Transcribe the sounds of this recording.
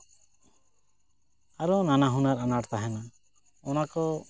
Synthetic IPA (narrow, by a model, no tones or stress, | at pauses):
aɾɔnanaɦunaɾanaɽt̪aɦɛna | ɔnakɔ